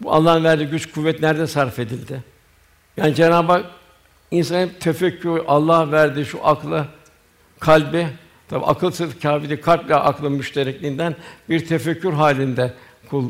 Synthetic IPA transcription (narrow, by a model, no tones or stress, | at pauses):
bua̰lˠːanvæɾd̪iɟyt͡ʃkʰuvːɛt̪næɾd̪ɛsaɾfe̞d̪ilʲd̪ɪ | jaːnid͡ʒe̞naːbak̚ | insanɯt̪ʰefɛcʰːyɾʔalˠːahvæɾd̪iʃuʔaklˠɯ | kʰalʲbɪ | t̪ʰabḭʔa̰kʰɯlˠsɯɾfcʰaːfiɾikʰalʲplʲɛʔaklˠɯmyʃt̪ʰeɾɛclʲind̪ænbiɾt̪ʰefɛcʰːyɾɦaːlʲind̪ɛ | kʰulˠː